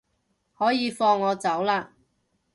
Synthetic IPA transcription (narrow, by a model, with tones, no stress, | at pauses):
hɔː˨˥jiː˨˧fɔː˧ŋːɔː˨˧t͡sɐ˨˥wlaː˧